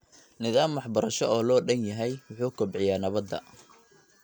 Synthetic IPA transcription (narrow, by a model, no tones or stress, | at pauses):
nɪðaːmwɑħbɐɾɐʃɔɔːlɔːɖɐnjɐɦɛjwʊħuːkʰɔbʕɪjaːnɐβɐd̪ːɐ̰